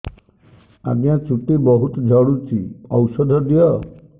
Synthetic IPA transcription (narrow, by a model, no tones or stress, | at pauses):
a̰ɡjat͡ʃuʈibɔɦut̪ɔd͡ʒʱɔɽut͡ʃʰḭɔwsɔd̪ʱɔd̪ʱijɔ